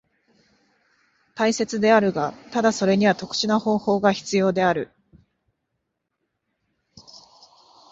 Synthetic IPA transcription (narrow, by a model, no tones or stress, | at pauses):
t̪aise̞t͡sɨd̪e̞aɾɯ̟ɡat̪ad̪aso̞ɾe̞ɲ̟iβat̪o̞kɯ̟̥ɕinaho̞ːho̞ːɡaçi̥t͡sɨjo̞ːd̪e̞aɾɯ̟